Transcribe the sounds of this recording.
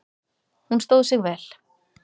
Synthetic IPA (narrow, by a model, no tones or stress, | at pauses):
hunst̪owðʏsɪɣvɛːl